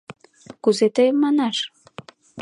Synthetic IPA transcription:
kuzet̪ejmːɑnɑʃ

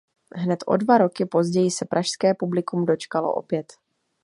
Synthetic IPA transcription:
ɦnɛt̪ʔo̞̰dvaɾo̞kɪpo̞zɟɛjɪsɛpɾʔaʃskɛːpublɪkumdo̞t͡ʃkalo̞̰ʔo̰pjɛt̪

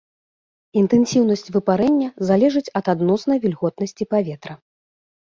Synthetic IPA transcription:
int̪ɛnsʲiwn̪ɐsʲt͡sʲvɨpaɾɛnʲːɐzalʲɛʐɨt͡sʲɐt̪ad̪nɔsnɐjvʲilʲɣɔt̪nɐsʲt͡sʲipavʲɛt̪ɾɐ

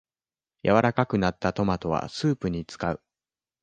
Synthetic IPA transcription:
jʔa̰βaɾakakɯnat̪ːat̪o̞mat̪o̞βa̰sɨːpɯ̟ɲ̟it͡sɨ̥kaɯ̟̰

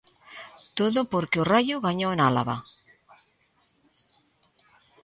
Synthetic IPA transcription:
t̪oðʊpoɾkeorajʊɣaɲonala̰βa̰

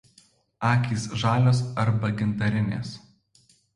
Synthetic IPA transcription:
ɑːkʲiːsʒɑːlʲoːsɐɾbɐɡʲɪnt̪ɐɾʲɪnʲḛːs

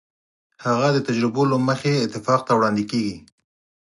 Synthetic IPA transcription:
haɣad̪ət̪ad͡ʒɾɪbolaməxeːt̪ɪfɑq̚t̪awɽɑnd̪ikeɡi

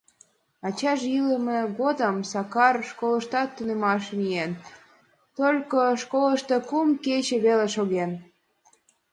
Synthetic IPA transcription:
ɑt͡ɕɑʒilemeɣod̪əmsɑkɑrʃkoləʃt̪ɑt̪ːunemɑʃmien | t̪olʲkoʃkoləʃt̪ekumket͡ɕĕβeleʃoɣen

